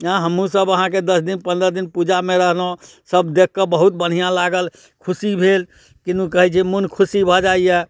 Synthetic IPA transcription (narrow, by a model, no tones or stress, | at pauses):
ãɦəmũsəbəɦãked̪əsd̪inpə̃nd̪ɾəd̪inpud͡ʒamẽɾəɦlo | səbd̪ekːəbəɦut̪̚bəɽ̤ijãlaɡəl | kʰusibʱel | kinukəɦɛt͡ʃʰɛmunkʰusibʱɔd͡ʒaijɛ